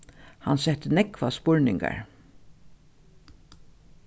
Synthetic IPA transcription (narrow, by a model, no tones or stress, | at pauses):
hansɛt̪ənɛkvaspɔɹnɪŋka̰ɹ